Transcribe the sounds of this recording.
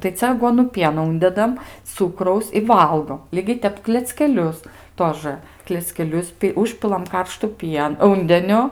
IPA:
tɐɪ ˈt͡sʲɛ ɐˈɡuɔnʊ ˈpʲiɛnoː ˈʊnʲdʲɛdɐm ˈt͡sʊkrɐʊs ɪ ˈʋɐlˠɡoːm ˈlʲiːɡʲɛɪ ˈtʲɛp klʲɛt͡sʲkʲɛˈlʲʊs ˈtoːʒɘ klʲɛt͡sʲkʲɛˈlʲʊs pʲɪ ˈʊʃʲpʲɪlˠɐm ˈkɐrʃtʊ ˈpʲiɛn ˈuːnʲdʲɛnʲʊ

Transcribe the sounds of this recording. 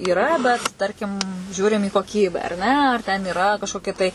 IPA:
iːˈrɐ bʲɛt ˈtɐrʲkʲɪm ˈʒʲuːrʲɪm iː koːˈkʲiːbʲæː ɐr ˈnʲɛ ɐr tʲɛn ɪˈrɐ kɐʃkoːˈkʲɛ tɐɪ

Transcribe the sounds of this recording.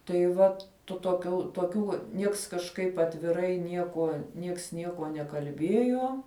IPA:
tɐɪ ˈʋɐt tʊ toːˈkʲuː toːˈkʲuː ˈnʲiɛks kɐʃˈkɐɪp ɐtʲʋʲɪˈrɐɪ ˈnʲiɛkuɔ nʲiɛks ˈnʲiɛkuɔ nʲɛkɐlʲˈbʲiɛjoː

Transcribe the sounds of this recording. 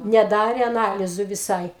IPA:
nʲɛˈdɑːrʲɛ ɐˈnɑːlʲɪzʊ ʋʲɪˈsɐɪ

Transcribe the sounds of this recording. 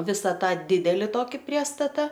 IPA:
ˈʋʲɪsɐ ˈtɑː ˈdʲɪdʲɛlʲɪ ˈtoːkʲɪ ˈpʲrʲiɛstɐtɐ

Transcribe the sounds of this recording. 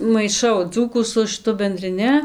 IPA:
mɐɪˈʃɐʊ ˈd͡zuːkuː sʊ ʃɨˈtʊ bʲɛnʲdʲrʲɪˈnʲɪ

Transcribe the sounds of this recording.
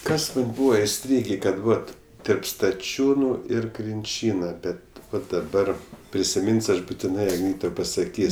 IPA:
ˈkɐs ˈbuːʋɐ ɪˈsʲtʲrʲiːɡʲeː kɐt ˈʋɐt tʲɛrp stɐˈt͡ʃʲuːnʊ ɪr krʲɪnʲˈt͡ʃʲiːnɐ ˈbʲɛt dɐˈbɐr pʲrʲɪsʲɪˈmʲɪnʲsʲ ˈɐʃ bʊtʲɪˈnɐɪ ˈtɐʊ pɐsɐˈkʲiːsʲ

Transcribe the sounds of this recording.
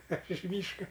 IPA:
ɐʃ ɪʃ ˈmʲiːʃkɐ

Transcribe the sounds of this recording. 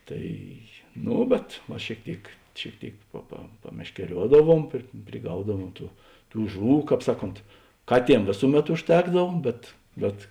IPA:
ˈtɐɪ ˈnoː bʲɛt ʋɐ ʃʲeːɪk ˈtʲeːɪk ʃʲeːɪk ˈtʲeːɪk pɐ pɐ pɐmʲɛʃʲkʲɛˈrʲuɔdɐˌʋuɔm pʲrʲɪ pʲrʲɪˈɡɐʊdɐʋuɔm ˈtuː ˈtuː ˈʒʊˌʋuː ˈkɑːp ˈsɑːˌkoːnt ˈkɑːˌtʲiɛm ˈʋʲeːsʊˌmʲɛt ʊʃʲˈtʲæːɡdɐw bʲɛt ˈbʲɛt

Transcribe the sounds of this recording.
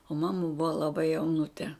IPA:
oː ˈmɑːmɐ ˈbʊʋɐ lˠɐˈbɐɪ jɛʊˈnʊtʲɛ

